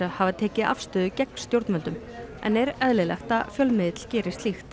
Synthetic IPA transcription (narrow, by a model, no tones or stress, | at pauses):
ahavat̪ʰɛːcɪʔa̰fst̪ʏːðʏcɛkn̥st̪jowɾt̪mœlt̪ʏm | ʔɛ̰nɛɾɛðlɪlɛ̰xt̪afjœlmɪðɪt̪ʰɪl̥cɛːɾɪst̪lixt̪